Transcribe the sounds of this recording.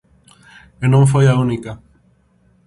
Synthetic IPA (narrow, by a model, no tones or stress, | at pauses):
enõɱf̬ojaunika